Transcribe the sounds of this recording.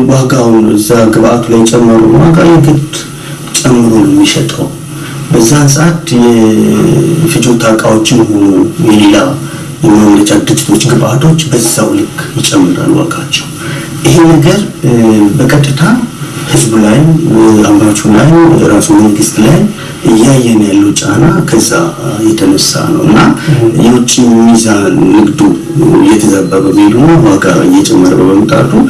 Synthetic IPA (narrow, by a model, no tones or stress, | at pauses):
waɡawnɨzːaɡɨβʔat̪ʰulajt͡ʃʼɛmːəɾṵnwaɡajɛɡɨt̪ | t͡ʃʼɛmːɨɾo̞nɛmːiʃɛt̪ʼə̰w | bəzːahɨsʼat̪jɛ | fɨd͡ʒot̪ʰakʼawo̞t͡ʃːɪnho̞nujɛlla | jɛmamɾəd͡ʒad̪ɨd͡ʒʼi̥t̪ʰo̞t͡ʃːɡɨβʔat̪ʰo̞t͡ʃːbəzːawlɨkʼʰːjɪt͡ʃʼːɛmːɨɾa̰lːwa̰ɡat͡ʃːɛ̥w | ʔɪɦenːəɡəɾ | bəkʼət̪ʼːɨt̪ʰahɨzbulajmambat͡ʃʰulajmɨɾasuməŋɡɨst̪laj | ʔɨjːajːɛnjalːəwt͡ʃʼanakʰəzːa̰jɛt̪ʰənəsa̰nə̰wɨnːajɛwʊt͡ʃʼːimizaːnɨɡd̪u | jɛt̪ʰəzabəβəmhed̪unːawaɡa̰ɨjɛt͡ʃʼɛmːəɾbəbəmət̪ʼa̰t̪u